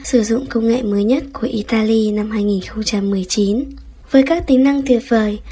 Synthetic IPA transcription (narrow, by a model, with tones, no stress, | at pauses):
sɨ˧˩zʊ̰˧˨ŋ͡mkə˧wŋ͡mŋḛ˧˨məː˨˦jɲə˦˥t̚ku˧˩əʔi˧˩t̪aː˧li˧na˧mhaː˧jŋi˨˩nxə˧wŋ͡mt͡ɕa˧mːɨ˨˩əjt͡ɕi˨˦n | vəː˨˦jkaː˦˥k̚t̪ï˨˦ŋna˧ŋt̪ʰi˨˩ət̚vəː˨˩j